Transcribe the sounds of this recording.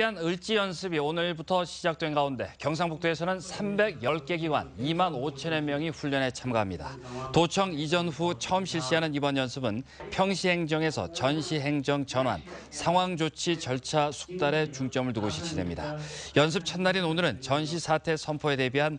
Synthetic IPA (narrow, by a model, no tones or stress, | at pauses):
iɦanɯɭt͡ɕ͈ijʌnsʰɯbionɯɾibutʰʌɕʰid͡ʑak̚t͈we̞nɡaunde̞̰kjʌŋs̬ʰaŋbuk̚t͈ʰoesʰʌnɯnsʰambe̞ɡjʌɭk͈e̞ɡiɡwa̰nimanot͡ɕʰʌne̞mjʌŋiɸuʎːʌne̞t͡ɕʰamɡaɦamɲida̰ | tot͡ɕʰʌŋid͡ʑʌnɸut͡ɕʰʌɯmɕʰiɭɕ͈iɦanɯnibʌnjʌnsʰɯbɯnpʰjʌŋɕʰiɦe̞ŋd͡ʑʌŋe̞sʰʌ̰t͡ɕʌnɕʰiɦe̞ŋd͡ʑʌŋt͡ɕʌnɦwa̰nsʰaŋwaŋd͡ʑot͡ɕʰit͡ɕʌɭt͡ɕʰasʰu̥k̚t͈aɾe̞t͡ɕuŋt͡ɕ͈ʌmɯɭtuɡoɕʰi̥t͡ɕʰide̞̰mɲidajʌns̬ʰɯp̚t͡ɕʰʌnːaɾinonɯɾɯnt͡ɕʌnɕʰisʰatʰe̞sʰʌmpʰoe̞de̞biɦan